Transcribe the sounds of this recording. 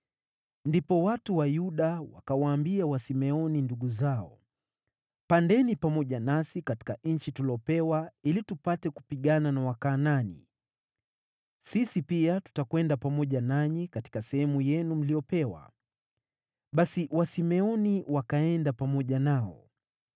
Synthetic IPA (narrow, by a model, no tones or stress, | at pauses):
ndipɔwatuwajuɗawa̰kawaːmbiawasimɛɔninduɠuzaɔ | pandɛnipamɔʄanasikati̥kaɲ̩t͡ʃitulɔpɛwailitupatɛku̥piɠananawakaːnanḭ | sisipiatu̥takwɛndapamɔʄanaɲikati̥kasɛhɛmujɛnum̩lijɔpɛwa̰ | ɓasiwasimɛɔniwakaɛndapamɔʄanaɔ̰